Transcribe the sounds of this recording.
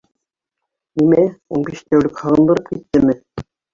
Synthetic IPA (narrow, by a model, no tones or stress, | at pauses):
nimæunbiʃt̪æwlɘkhɤ̆ʁɤ̆nd̪ɤ̆ɾɤp̚kit̪ːɘmɘ